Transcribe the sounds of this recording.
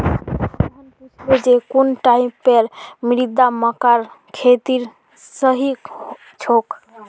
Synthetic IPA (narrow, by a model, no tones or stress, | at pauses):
ndied͡ʒekunʈaimpeɾmiɾid̪aməkaɾkʰet̪iɾ | səɦi | t͡ʃʰok